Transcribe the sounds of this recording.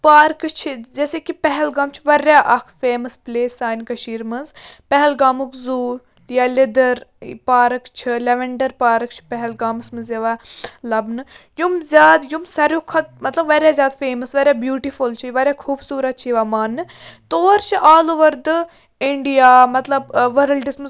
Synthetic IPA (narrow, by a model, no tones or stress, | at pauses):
paːɾkt͡ʃʰid͡ʒeːseːkipɛɦɛlɡaːmt͡ʃʰiʋɐɾʲaːʔɐkʰfeːmɐspleːsaːjnkɐʃiːɾmɐnzpɛɦɛlɡaːmukzuːɾ | jalɪd̪ɐɾpaːɾɨkt͡ʃʰileʋeɳɖɐɾpaːɾɨkt͡ʃʰi̥pɛɦɛlɡaːmɐsmɨnzɐʋalɐbnɨjumzʲjaːd̪jumsɐɾʲjokʰɐt̪̚mɐt̪lɐbʋɐɾjaːzʲjaːd̪feːmɐsʋɐɾjaːbjuːʈifult͡ʃʰijʋɐɾjaːkʰuːbsuːɾɐt̪̚t͡ʃʰiʋaːmaːnːɨt̪oːɾt͡ʃʰiʔaːloʋɐɾd̪ɨ | ɪɳɖijaːmɐt̪lɐbʋɐɾɐlʈismɨ